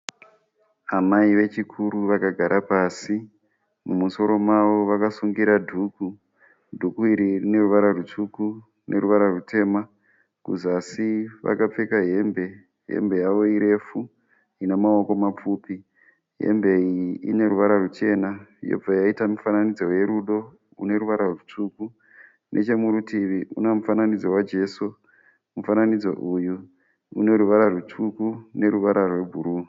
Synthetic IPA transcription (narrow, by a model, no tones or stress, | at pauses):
amaiʋe̞t͡ʃikʰuɾuʋakaɡʱaɾʔapaːsi | mumuso̞ɾo̞maʋo̞ʋakasuŋɡiɾadʱuku | dʱukuiɾirine̞ruʋaɾarut͡ʂuku | nʔe̞̰ruʋaɾarute̞ːma | kuzasiʋa̰kap͡fe̞kaɦe̞mbe̞ | ɦe̞̰mbe̞jaʋo̞iɾe̞fu | inemao̞ko̞map͡fuːpi | ɦe̞̰mbe̞iḭne̞ɾuʋaɾarut͡ʃe̞najo̰b͡vajaitamifananid͡zo̞je̞ɾuɗo̞ | ṵne̞ɾuʋaɾarutuku | nʔet͡ʃe̞muɾutiʋiṵnemufananid͡zo̞wad͡ʒe̞so | mufananid͡zo̞̰ʔuju | ṵne̞ɾuʋaɾarutʰukune̞ɾuʋaɾarwe̞bʱuɾuː